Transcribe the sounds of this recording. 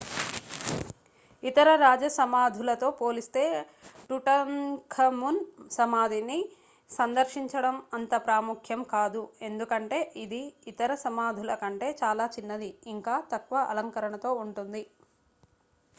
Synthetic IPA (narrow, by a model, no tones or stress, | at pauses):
it̪ɐɾɐɾaːd͡ʒɐsɐmaːd̪ʱulɐt̪o̞ːpo̞ːlist̪e̞ː | ʈuʈɐnkʰɐmunsɐmaːd̪ʱini | sɐnd̪ɐɾʃiɲt͡ʃɐɽɐmɐnt̪ɐpɾaːmukʰjɐmkaːd̪ue̞nd̪ukɐɳʈe̞ːʔid̪iːt̪ɐɾɐsɐmaːd̪ʱilɐkɐɳʈe̞ːt͡ʃaːlaːt͡ʃinːɐd̪iːŋkaːt̪ɐkʋɐʔɐlɐŋkɐɾɐɳɐt̪o̞ːuɳʈund̪i